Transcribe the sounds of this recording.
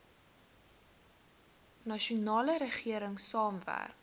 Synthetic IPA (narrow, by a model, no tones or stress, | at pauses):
nɐʃunɑːləɾəχiəɾəŋsɑːmvæ̰rk